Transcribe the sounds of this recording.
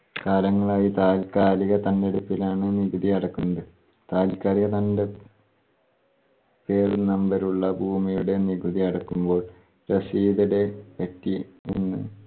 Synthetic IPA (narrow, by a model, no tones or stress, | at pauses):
kaːlɐŋːɐɭaːjit̪aːlkaːɾiɣɐt̪ɐndeɽupːilaːɳɨniɡuðiɐɽɐkːunːɐðɨ | t̪aːlkaːɾiɣɐt̪ɐnde̞ | pe̞ːrnɐmbɐɾuɭːɐbʱuːmijuɽe̞niɡud̪iɐɽɐkːumbo̞ːɭ | rɐsiːd̪ɐɽe̞pɐtːiḭnːɨ̰